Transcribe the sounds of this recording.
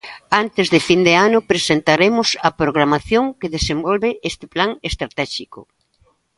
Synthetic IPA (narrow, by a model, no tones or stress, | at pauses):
ant̪ɪzðɪfind̪eanʊpɾesent̪aɾemʊsɐpɾoɣɾamaθjoŋkeðesembɔlβɪʔest̪ɪ̥plaŋest̪ɾat̪ɛʃikʊ